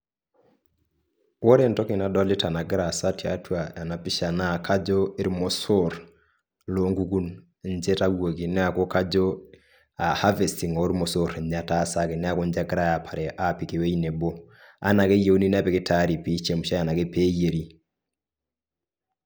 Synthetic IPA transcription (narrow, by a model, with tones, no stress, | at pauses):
wɔ˦ɾe˦ntɔ˦ke˨na˨dɔ˦li˦ta˨na˨ɡɪ˦ɾa˨sa˦ti˨a̰˨twa˨ja˨na˨pɪ˦ʃa˨na˦˨kʰa˦d͡ʒo˦e˦ɾmɔ˨so˦ɾ | lo˦ŋɡu˦ɡu˦n | nd͡ʒɛ˦ta˦wwo˨ki˨nɛ˦a˨ko˦ka˦d͡ʒo˦ | a˨ha˦ve˨si˨ŋɔ˨˦ɾmɔ˨so˦ɾɲa˨ta˦sa˦ke˨nɛ˦a˦ko˦ɲd͡ʒa˦ɡɪ˦ɾa˦ja˨pʰa˨ɾɛ˨ʔa˦pi˨ke˨we˦i˦ne˨bo˦ | a̰˦na˨ke˦je˨u˦ni˦n˦a˦pɛ˨kɪ˦ta˦ɾi˨pi˦t͡ʃe˦˨mu˨ʃa˦ja˨na˨ke˦peː˦je˨ɾi˦